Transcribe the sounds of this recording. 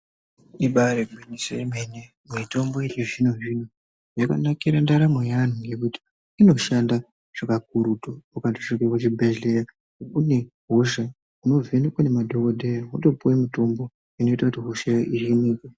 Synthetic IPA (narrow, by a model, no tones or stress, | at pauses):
iɓaɾeɡʱinisojemene | muito̞mbo̞it͡ʃiʐinoʐino | jaka̰nakiɾandaɾamojan̤uŋɡe̞kuti̥ | ino̞ʃanda | ʐ̥akak̚uɾutoukatoʂikewet͡ʃibʱeɮleja | ukune | ɦuʃa | uno̞venikwanemadʱokoɗejaɦuto̞puwemuto̞mbo̞ | ino̞itakutiɦuʃairinika